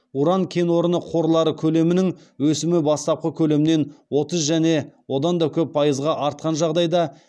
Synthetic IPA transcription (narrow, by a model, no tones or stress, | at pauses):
uɾɑŋkʲʰe̞no̞ɾənəqʰo̞ɾlˠɑɾəkʲʰɵle̞mɪnɪŋ | wɵsɪmɪbɑst̪ɑp̚qəkʲʰɵle̞mɪne̞nwo̞t̪əzʒæne̞wo̞d̪ɑnd̪ɑkʲʰɵpːʰɑjəzʁɑʔɑɾt̪̚qɑnʒɑʁd̪ɑjd̪ɑ